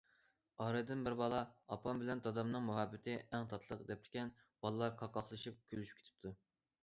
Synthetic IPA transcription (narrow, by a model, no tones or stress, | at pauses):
ɑɾɨd̪ɪnbɪɾbɑlˠɑɑpʰɑmbɪlɛnt̪ɑd̪ɑmnɨŋmuɦɑbːɪt̪ʰɪɛŋt̪ʰɑt̪ʰlˠəqd̪ɛp̚lɪ̥kʲɛn | b̥ɑlˠɨlˠɑɾqʰɑqːɑχlˠɨʃip̚kʲʰølyʃy̥p̚kʰʲe̥t̪ʰɪ̥p̚t̪ʰu